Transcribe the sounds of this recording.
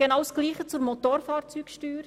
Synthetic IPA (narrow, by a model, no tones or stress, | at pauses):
ɡ̥enɑwsɡ̥liːχət͡suɾmɔt̪oːɾfɑːɾt͡syːkʃtyːɾ